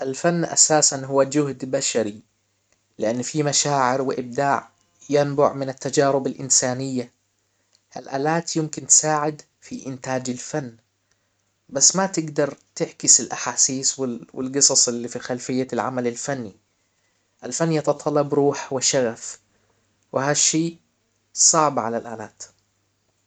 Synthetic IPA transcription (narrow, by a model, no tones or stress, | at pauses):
ʔalfanːʔa̰saːsanɦʊwːad͡ʒʊɦd̪baʃaɾi | lɪʔanːfimaʃaːʕɪɾwɪʔɪb̚d̪aːʕ | janbʊ̰ʕmɪnat̪ːad͡ʒaːɾʊbalʔɪ̰nsaːnɪjːa | ʔa̰lʔa̰ːlaːt̪jɪmkɪnt̪ɪ̥saːʕɪd̪ | fiʔɪnt̪aːd͡ʒalfanː | basːmat̪ɪɡd̪ɑɾˤt̪ɪʕkɪsalʔaħaːsiːswɪwɪ̰lɡɨsˤɑsˤɪlːifixalfɪjːalʕa̰malalfanːi | ʔalfanːjɑt̪ɑt̪ˤɑlːɑbɾuːħwɪʃaɣaf | wɪhaʃːiː | sˤɑʕbʕa̰lalʔaːlaːt̪